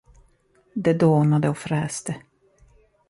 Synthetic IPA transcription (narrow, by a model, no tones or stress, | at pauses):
d̪ɛd̪oːnad̪əɔfɾɛːst̪ə